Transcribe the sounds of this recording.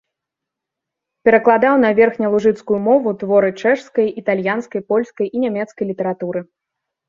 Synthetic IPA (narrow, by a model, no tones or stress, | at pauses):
pʲɛɾɐklˠad̪awn̪ɐvʲɛrxnʲɐlˠuʐɨt̪skujumɔvut̪vɔɾɨt͡ʂɛʂskɐjit̪alʲjanskɐjpɔlʲskɐjʔinʲamʲɛt̪skɐjlʲit̪ɐɾat̪uɾɨ